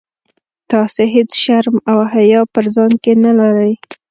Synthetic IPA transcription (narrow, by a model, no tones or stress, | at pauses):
t̪ɑseɦet͡sʃaɾmawɦajɑpəɾzɑnkenalaɾəj